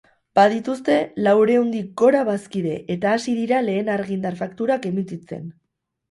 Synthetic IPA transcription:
b̥aðit̪ust̪e̞lawɾe̞und̪ik̚ɡo̞ɾaβaskiðe̞̰ʔet̪aːsiðiɾale̞ːnaɾɣind̪aɾfakt̪uɾake̞mit͡sit͡se̞̰n

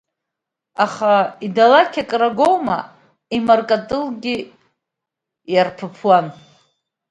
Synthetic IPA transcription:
aχaidalakʲʰakʼraɡowma | imarkʼatʼɨlɡʲɪ | jarpʰɨpʰwan

